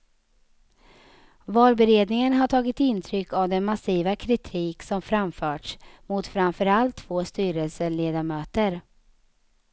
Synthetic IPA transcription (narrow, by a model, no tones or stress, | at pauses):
vɑːlbɛɾeːd̪nɪŋənɦaʈʰɑːɡɪt̪ɪnt̪ʰɾʏkːavd̪ɛnmasiːvakʰɾɪt̪ʰiːksɔmfɾamfœːʈʂmʊt̪fɾamfœɾalt̪ʰːv̥oːst̪yːɾəlsəleːd̪amøːt̪əɾ